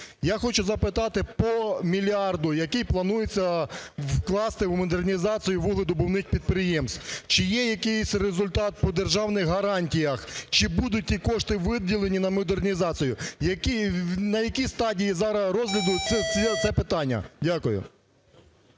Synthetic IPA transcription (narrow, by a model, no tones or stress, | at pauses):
jaxɔt͡ʃʊzɐpɪt̪ɑt̪ɪpɔmʲilʲɑrd̪ʊjɐkɪjplˠɐnujet͡sʲːɐwklˠɑst̪ɪwmɔd̪ernʲizɑt͡sʲijʊʋuɦlˠɐd̪ʊbɔwnɪxpʲid̪̚pɾɪjɛmst̪t͡ʃɪjɛjɐkɪjsʲrezʊlʲt̪ɑt̪̚pɔd̪erʒɑwnɪxɦɐɾɑnʲtʲijɐxt͡ʃɪbud̪ʊt̚ʲtʲːikɔʃt̪ɪʋɪdʲːilˠenʲinɐmɔd̪ernʲizɑt͡sʲijʊjɐkʲinɐjɐkʲist̪ɑdʲijizɑɾɐɾɔzʲɦlʲɐd̪ʊɛɛt̪sɛpɪt̪ɑnʲːɐ̰dʲakʊjʊ̰